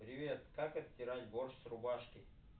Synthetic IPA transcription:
pɾʲɪʋʲet̪kakɐt̪tʲːɪɾatʲborʃsrʊbaʂkʲɪ

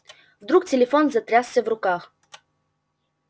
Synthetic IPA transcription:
vd̪ɾuktʲɛlʲɛfonzɐt̪ɾʲassʲɛvɾʊkax

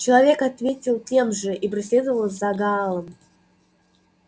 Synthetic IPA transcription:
t͡ɕɪlˠavʲekat̪vʲetʲɪlˠtʲemʐɨʔipɾʲɪs̬ʲlʲed̪əvəlˠzaɡɑlˠəm

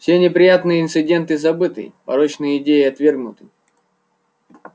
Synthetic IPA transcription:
fsʲe̞nʲɪpɾʲɪjat̪nɨjəɪnt̪sɨdʲe̞nt̪ɨzɐbɨt̪ɨ̰pɐ̰ɾot͡ɕnɨjəɪdʲejɪɐt̪vʲe̞rɡnʊt̪ɨ

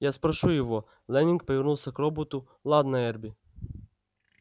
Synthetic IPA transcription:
jaspɾɐʃujɔʋɔ | lˠɛnʲink̚pɔʋʲɪrnuwsʲɐkɾɔbɔt̪ʊ | lˠɑd̪nɐɛrbʲi

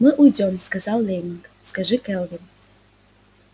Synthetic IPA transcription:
mɨʔujdʲɔmskɐzɑlˠːʲeŋkskɐʐɨkɛlˠvʲɪn

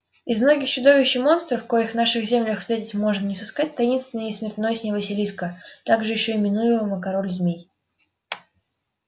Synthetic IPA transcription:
ɪzmno̞ɡʲɪxt͡ɕʊd̪o̞vʲɪɕːɪmo̞nst̪ɾəfkojɪxvnaʂɨxzʲemlʲəxsɾʲetʲɪtʲmo̞ʐnənʲɪsɨskat̚ʲt̪ɐjinst̪vʲɪnəjəɪsʲmʲɪrt̪no̞jsʲnʲɪvəsʲɪlʲiskət̪aɡʐɨjɪɕːoɪmʲɪnujɪməməkɐɾo̞lʲzʲmʲej

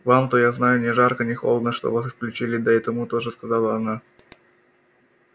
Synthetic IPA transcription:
vamt̪ojaznajʊnʲɪʐarkənʲɪxolˠəd̪nəʂt̪o̰vasɨsklʲʉt͡ɕilʲɪd̪ɐɛt̪əmut̪oʐɨskɐzɑlˠəɐna

